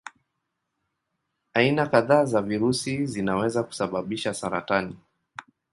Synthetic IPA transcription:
ainakaðaːzaviɾusizinawɛzaku̥saɓaɓiʃasaɾa̰tani

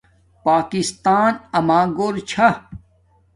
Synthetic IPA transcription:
paːkist̪aːnɐmaːɡoːɾt͡ɕʰa

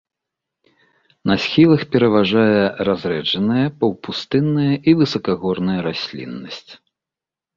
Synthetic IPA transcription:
nɐsʲxʲilˠɐxpʲɛɾɐvaʐajɛrazɾɛd͡ʐɐnɨjɐpɐwpust̪ɨnːɨjɐʔivɨsɐkaɣɔrnɐjɐɾasʲlʲḭnːɐsʲt͡sʲ

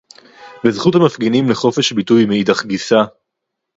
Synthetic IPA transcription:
bezχuthamafɡinimleχo̞feʃbitujmeitaχɡisa

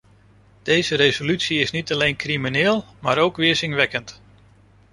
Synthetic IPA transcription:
d̥ejzəɾejzolytsiɪsnitɑlejnkriminɪːlˠmaːɾowkʋɪːɹzɪŋʋɛkənt

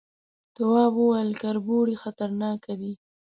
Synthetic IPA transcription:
t̪ʊwɑbəwajəlkaɾboɽixat̪aɾnɑkad̪i

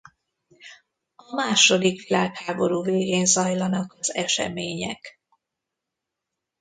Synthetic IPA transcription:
ɒmaːʃo̞d̪ikʋilaːkhaːbo̞ɾuːveːɡeːnzɒjlɒnɒkɒzɛʃɛ̰meːɲɛk

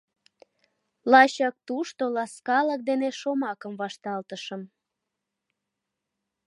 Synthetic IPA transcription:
lɑɕɑk̚t̪uʃt̪olɑskɑlək̚d̪eneʃomɑkəmβɑʃt̪ɑlt̪əʃəm

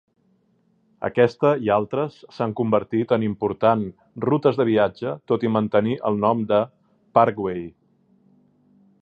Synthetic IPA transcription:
ə̰kɛst̪əialˠt̪ɾəsːaŋkumbəɾt̪it̪ənimpuɾt̪an | rut̪əzðəβiad͡ʒət̪ot̪imənt̪əniʔə̰lˠnɔmd̪ə | paɾkwej

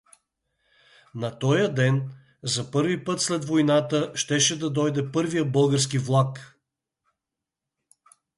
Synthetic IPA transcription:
nɐt̪ɔjəd̪ɛn | zɐpɤɾvipɤt̪slɛd̪vojnat̪əʃt̪ɛʃɛd̪ɐd̪ɔjd̪ɛpɤɾvijəbɤlˠɡəɾskivlˠak

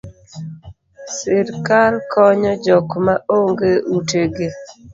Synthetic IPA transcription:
sɪɾkalkʰɔɲɔd͡ʒɔkmaʔoŋɡeuteɡe

